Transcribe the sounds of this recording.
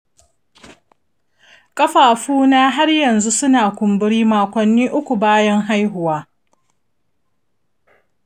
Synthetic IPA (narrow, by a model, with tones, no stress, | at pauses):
kʼɐ˦ɸaː˨ɸuː˦naː˦ɦa˦rjɐ˨nzu˦sʊ˦naː˨kʷʊ˨mbɪ˦ɽiː˦maː˨kʷɐ˨nːiː˦ʔʊ˦kʷu˨baː˦jɐ˦ŋɦa˦jɦʊ˨waː˦